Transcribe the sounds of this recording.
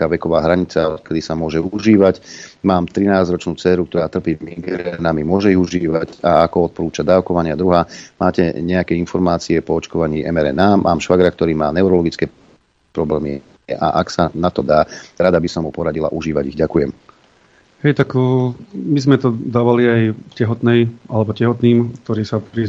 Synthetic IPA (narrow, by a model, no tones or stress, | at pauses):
kaːʋɛkɔʋaːɦɾaɲit͡saɔt̪kɛd̪isamʊɔʒɛuʒiːʋacmaːmt̪ɾinaːzɾɔt͡ʃnuːt͡sɛːɾuk̚t̪ɔɾaːt̪r̩piːmiɡɛɾɛnamimʊɔʒɛiɦuʒiːʋaɟaakɔɔt̪̚pɔɾuːt͡ʃad̪aːʊkɔʋaɲɪad̪ɾuɦaːmaːcɛɲɛjakɛinfɔɾmaːt͡siɛpɔɔt͡ʃkɔʋaɲiːʔɛmɛɾɛ̰namʔaːmʃʋaɡɾak̚t̪ɔɾiːmaːnɛʊɾɔlɔɡit͡skɛː | pɾɔblɛːmi | ɛ̰ʔa̰ʔaksanat̪ɔd̪aːɾad̪abisɔmɦupɔɾaɟila̰ʔuʒiːʋaɟiɣɟakujɛm | hɛjt̪ak | mizmɛt̪ɔd̪aːʋaliajcɛɦɔt̪nɛjalɛbɔcɛɦɔt̪niːmk̚t̪ɔɾiːsapɾi